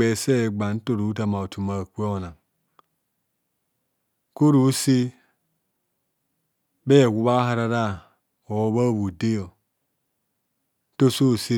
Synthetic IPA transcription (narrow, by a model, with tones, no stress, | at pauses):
ɛ˨sɛ˦˨ɡ͡ba˨n˦to˦˨ɾu˨˦ta˨ma˨o˨tu˨ma˨kʷe˦o˨na˨ŋ | ko˦ɾu˨˦si˦ | bɛ˦˨ɡʷu˨βa˦ɦa˦ɾa˦ɾa˦˨ | o˨βa˦˨βu˨de˦jo˨˦ | to˦so˦˨si˦